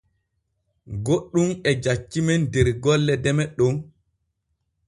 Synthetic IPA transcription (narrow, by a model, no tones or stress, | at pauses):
ɡoɗːumɛd͡ʒat͡ʃːimɛndɛɾɡɔlːɛdɛmɛɗɔn